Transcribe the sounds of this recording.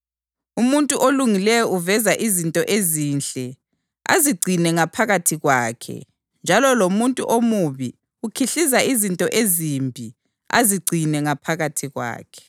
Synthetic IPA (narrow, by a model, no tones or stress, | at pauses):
umuntʼuʔoluŋilɛjɔʔuvɛzaʔizintʼɔʔezinɬʼɛ | a̰ziɡ͡ǀʱinɛŋapʰaɣatʰiɣwaːkʰɛ̰ | nd͡ʒʱalɔlomuntʼṵʔomuβi | ukʰiɬizaizintʼɔʔezimbʱi | a̰ziɡ͡ǀʱinɛŋapʰaɣatʰiɣwa̰ːkʰɛ̥